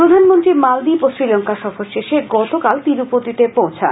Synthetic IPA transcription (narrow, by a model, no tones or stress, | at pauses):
pɾod̪ʱanmont̪ɾimald̪ipoʃɾilɔŋkaʃɔfoɾʃeʃeɡɔt̪okalt̪iɾupot̪it̪epowt͡ɕʰa